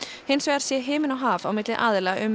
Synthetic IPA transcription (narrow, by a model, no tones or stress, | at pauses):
hɪnsvɛːaɾ̥sjɛɦɪːmɪnawɦaːvawmɪt̪lɪʔaːðɪlɛʔʏm